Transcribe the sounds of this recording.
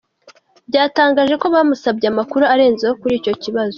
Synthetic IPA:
bɟaːtaːŋɡaːʒe̞ko̞βamusabɟamakuɾuaɾe̞ːnzehokuɾiːco̞ciβazo

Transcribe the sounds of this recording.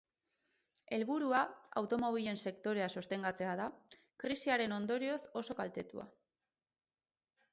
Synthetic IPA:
e̞lβuɾuaa̰wt̪o̞mo̞β̞iʎe̞nse̞kt̪o̞ɾe̞aso̞st̪e̞ŋɡat͡se̞aða | kɾisiaɾe̞no̞nd̪o̞ɾio̞so̞so̞kalt̪e̞t̪ṵa̰

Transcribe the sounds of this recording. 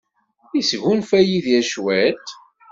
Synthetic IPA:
isɣunfæjiðjæʃwæt̪

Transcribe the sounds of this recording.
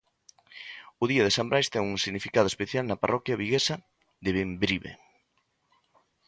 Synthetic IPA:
ʊðiɐðesambɾʔajst̪ɛŋuŋsiɣnifikað̞ʊespeθjalnɐparʔɔkjɐβiɣesɐ | ðɪβembɾiβḛ

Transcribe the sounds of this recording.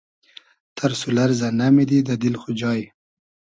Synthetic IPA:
t̪ʰaɾsulaɾzanamid̪id̪ad̪ɪlxʊd͡ʒɑj

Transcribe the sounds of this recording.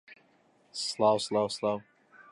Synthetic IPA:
slaːwslaːwslaːw

